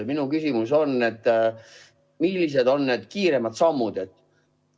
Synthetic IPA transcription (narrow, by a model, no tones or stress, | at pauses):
minukysimuso̞nːet̪ː | milːis̬e̞d̪o̞nːe̞d̪̥kiːɾe̞mɑd̪̥sɑmːud̪̥e̞t̪ː